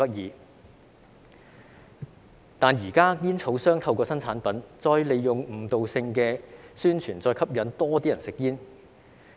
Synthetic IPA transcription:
ɐ˥t̚jiː˨˧ | t̪aː˨njiː˨˩kaː˥jiː˥nt͡sʰo˨˥wsœː˥ŋt̪ʰɐ˧wkɔː˧sɐ˥nt͡sʰaː˨˥npɐ˨˥nt͡sɔː˧jle˨jjʊ˨ŋm̩˨˧t̪o˨wsɪ˧ŋkɛː˧syː˥nt͡ʃʰyː˨˩nt͡sɔː˧jkʰɐ˥p̚jɐ˨˥nt̪ɔː˥t̪iː˥jɐ˨˩nsɪ˨k̚jiː˥n

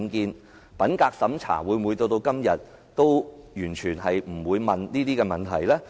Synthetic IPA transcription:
nkiː˧n | pɐ˨˥nkaː˧k̚sɐ˨˥mt͡sʰa̰ː˨˩wuː˨˧jmwuː˨˧jt̪o˧wt̪o˧wkɐ˥mjɐ˨t̚ | t̪o˥wjyː˨˩nt͡ʃʰyː˨˩nɦɐ˨jm̩˨˩wuː˨˧jmɐ˨nniː˥t̪iː˥kɛː˧mɐ˨˩nt̪ʰɐ˨˩jlɛː˥

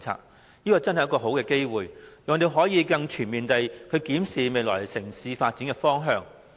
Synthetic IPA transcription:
t͡sʰa̰ː˧˨t̚ | niː˥kɔː˧t͡sɐ˥nhɐ˨jkɔː˧ɦo˨˥wkɛː˧ke˥jwuː˨jjɐ˨˩ŋɔː˧˩t̪e˨jɦɔː˨˥jiː˨˧kɐ˧ŋt͡ʃʰyː˨˩nmiː˨nt̪ɐ˨˧jkʰɵ˨˧ɥkiː˨˥msiː˨me˨jlɔ̰ː˨˩jsɪ˨˩ŋsiː˨˧faː˧t̚t͡siː˨˥nkɛ˧fɔː˥ŋɦœː˧ŋ

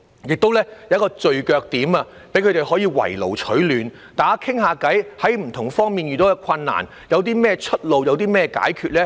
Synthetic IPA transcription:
jɪ˨k̚t̪o˥wlɛː˥jɐ˨˦˥kɔː˧t͡ʃɵ˧ɥkœː˧k̚t̪iː˨˥maː˧ | pe˨˥jkʰɵ˧t̪e˨jhɔː˨˥jiː˧wɐ̰˨˩jlo˨˩wt͡ʃʰɵ˨˥ɥlyː˨n | t̪aː˨˥kʰɪ˥ŋhaː˨˧kɐ˨˥jhɐ˨˥jm̩˨˩t̪ʰʊ˨˩ŋfɔː˥ŋmiː˨njyː˨˩t̪ɔː˨˥kɛ˧kʰɐ˧nːa̰ː˨˩n | jɐ˨˧wt̪̬iː˥mɛː˥t͡ʃʰɵ˥t̚lo˨wjɐ˨˧wt̪̬iː˥mɛː˥ka̰ː˨˥jkʰyː˨˧t̚lɛː˥

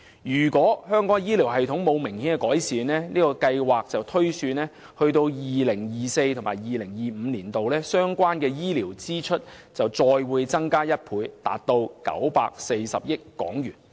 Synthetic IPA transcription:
jyː˨˩kʷɔː˨˥hœː˥ŋkɔː˨˥ŋjiː˥li˨˩wɦɐ˨jt̪ʰʊ˨˥ŋmo˨˧wmɪ˨˩ŋhiː˨˥nkɛ˧kɔː˨˥jsiː˨nlɛː˥niː˥kɔː˧kɐ˧jwaː˨˩k̚t͡sɐ˨wt̪ʰɵ˥ɥsyː˧nɛː˥ | hɵ˧ɥt̪o˧wjiː˨lɪ˨˩ŋjiː˨se˧jt̪ʰʊ˨˩ŋmaː˨˩jjiː˨lɪ˨˩ŋjiː˨m̩ː˨˧liː˨˩nt̪o˨wlɛː˥sœː˥ŋkʷwaː˥nkɛː˧jiː˥liː˨˩wt͡siː˥t͡ʃʰɵ˥t̚ | t͡sɐ˨wt͡sɔː˧jwuː˨˧jt͡sɐ˥ŋkaː˥jɐ˥t̚pʰuː˨˧jt̪a̰ː˨˩t̚t̪o˧wkɐ̰˨˥wpaː˧k̚se˧jsɐ̰˨p̚jɪ˥kːɔ̰ː˨˥ŋjyː˨˩n

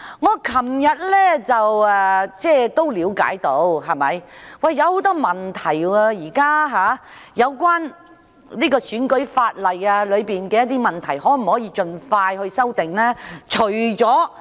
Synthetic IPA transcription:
ŋɔː˨˧kʰɐ˨˩mjɐ˨t̚lɛː˥t͡sɐ˨wɛː˨t͡sɛː˥˩t̪o˥wliː˨˧˥wka̰ː˨˥jt̪o˨˧˥wɦɐ˨˩mɐ˨jwɐ˨˩jːɐ˨˧who˨˥wt̪ɔː˥mɐ˨˩nt̪ʰɐ˨˩jɐː˧jiː˨˩kaː˥ɦaː˨˧jɐ˨˧wkwaː˥n | niː˥kɔː˧syː˨˥nkɵ˨˥ɥfaː˧t̚lɐ˨jaː˧lɵ˨˧ɥpiː˨nkɛː˧jɐ˥t̪̬ːiː˥mɐ˨˩nt̪ʰɐ˨˩jhɔː˨˥m̩˨˩hɔː˨˥jiː˧t͡ʃɵ˧nfaː˧jhɵ˧ɥsɐ˥wt̪ɪ˨ŋnɛː˥t͡ʃʰɵ˨˩ɥt͡sɔː˨˥

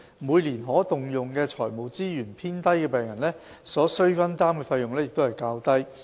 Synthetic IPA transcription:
muː˨˧jliː˨˩nɦɔː˨˥t̪ʊ˨ŋjʊ˨ŋkɛː˧t͡sʰɔː˨˩jmo˨˩wt͡siː˥jyː˨˩npʰiː˥nt̪ɐ˥jkɛː˧pɛː˨˩ŋjɐ˨˩nlɛː˥ | sɔː˨˥sɵ˥ɥfɐ˥nt̪aː˥mkɛː˧fɐ˧jːʊ˨ŋlɛː˥jɪ˨k̚t̪o˥whɐ˨˩jkaː˧wt̪ɐ˥j

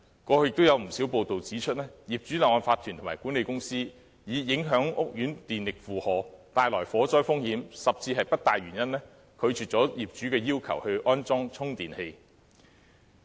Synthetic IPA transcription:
kɔː˧hɵ˧ɥjɪ˨k̚t̪o˥jɐ˨˧wm̩˨˩siː˨˥wpo˨wt̪o˨wt͡siː˨˥t͡ʃʰɵ˥t̚lɛː˥jiː˨˩p̚t͡ʃyː˨˥lɐː˨˩ŋɔː˧˩nfaː˧t̪ʰːyː˨˩t̪ʰʊ˨˩maː˨˩jkuː˨˥ne˨˧jkʊ˥ŋsiː˥ | jiː˨˧jɪ˨˥ŋɦœː˨˥ŋʊ˥k̚jyː˨˥nt̪iː˨nlɪ˨k̚fuː˨hɔː˨t̪aː˨jlɔː˨˩jfɔː˨˥t͡sɔː˥jfʊ˥ŋhiː˨˥msɐ˨p̚t͡siː˧ɦɐ˨jpɐ˥t̚t̪aː˨jɥyː˨˩njɐ˥nɛː˥ | kʰɵ˨˧ɥt͡ʃʰyː˨t̚t͡sɔː˨˥jiː˨p̚t͡ʃy˨˥kɛː˧jiː˥wkʰɐ˨˩whɵ˧ɥʔɔː˥nt͡sɔː˥ŋt͡sʰʊ˥ŋt̪iː˨nhe˧j

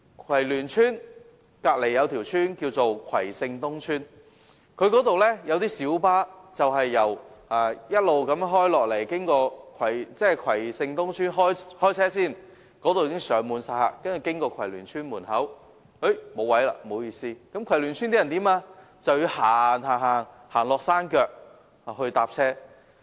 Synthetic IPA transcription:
kʰwɐ˨˩jlyː˨˩nt͡ʃʰyː˥n | kaː˧k̚le˨˩jːɐ˨˧wt̪ʰiː˨˩wt͡ʃʰyː˥nkiː˧wt͡so˨wkʰwɐ˨˩jsɪ˧ŋt̪ʊ˥ŋt͡ʃʰyː˥n | kʰɵ˧ɥkɔː˨˥t̪o˨wlɛː˥jɐ˨˧wt̪iː˥siː˨˥wpaː˥t͡sɐ˨wɦɐ˨jːɐ˨˩waː˨jɐ˥t̚lo˨wkɐ˨˥m˥ɦɔː˥jlɔː˨k̚le˨˩jkɪ˥ŋkɔː˧kʰwɐ˨˩jt͡sɛː˥˨kʰwɐ˨˩jsɪ˧ŋt̪ʊ˥ŋt͡ʃʰyː˥nɦɔː˥jhɔː˥jt͡sʰɛː˥siː˥˩n | kɔː˨˥t̪o˨wjiː˧˥kɪ˥ŋsœː˨˩ŋmuː˨˧nsaː˧a̰ː˨˧kɐ˥nt͡ʃy˨˩kɪ˥ŋkɔː˧kʰɐ˨˩jlyː˨˩nt͡ʃʰyː˥nmuː˨˩nɦɐ˨˥w | he˨˥mo˨˧wɐ˨˥jla̰ː˧mo˨˧wjiː˧siː˥kɐ˨˥mkʰɐ˨˩jlyː˨˩nt͡ʃʰyː˥nt̪i˥jɐ˨˩nt̪iː˨˥maː˧ | t͡sɐ˨wjy˧haː˨˩nɦaː˨˩ŋɦaː˨˩ŋ | haː˨˩ŋlɔː˨k̚saː˥nkœː˧k̚ | haː˨˩hɵ˧ɥt̪aː˨p̚t͡sʰɛː˥

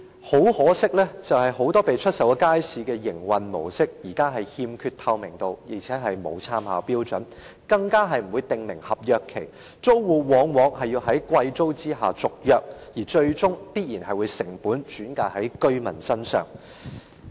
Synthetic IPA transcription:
ho˨˥whɔː˨˥sɪ˥k̚lɛː˥t͡sɐ˨whɐ˨jho˨˥wt̪ɔː˥pe˨jt͡ʃʰɵ˥t̚sɐ˨˥wkaː˥jsiː˨kɛː˧jɪ˨˩ŋwɐ˨nmo̰˨˩wsɪ˥k̚jiː˨˩kaː˥ɦɐ˨jhiː˧mkʰyː˧t̚t̪ʰɐ˧wmɪ˨˩ŋt̪o˧wji˨˩t͡sʰɛː˨˧˥ɦɐ˨jmo̰˨˧wt͡sʰaː˧mha̰ː˨˧wpiː˥wt͡ʃɵ˨˥n | kɐ˧ŋkaː˥ɦɐ˨jm̩˨˩wuː˨˧jt̪ɪ˨ŋmɪ˨˩ŋhɐ˨p̚jœː˨˧kʰːe˨˩j | t͡so˥wwuː˨˩wɔː˨˥ŋwɔː˨˧ŋhɐ˨jːiː˧wɦɐ˨˥jkʷɐ˧jt͡so˥wt͡siː˥ɦaː˨t͡sʊ˨k̚jœː˨k̚jiː˨˩t͡ʃɵ˧ɥt͡ʃʊ˥ŋpiː˥t̚jiː˨˩nhɐ˨jwuː˨˧jsɪ˨˩ŋpuː˨˥nt͡ʃyː˨˥nkaː˧thɐ˨˥jkɵ˥ɥmɐ˨˩nsɐ˥nsœ̰ː˨˩ŋ

